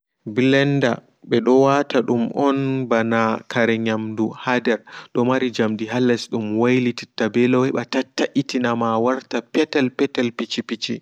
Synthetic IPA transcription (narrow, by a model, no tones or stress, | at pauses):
bilɛnda̰ | ɓɛɗɔwataɗumʔɔnbanakʰaɾɛɲamduhadɛɾɗɔmaɾid͡ʒamdiɦalːɛsɗumwajlititːabɛlɔwɛɓatatːaʔitinamawaɾtapɛtɛlpɛtɛlpit͡ʃipit͡ʃi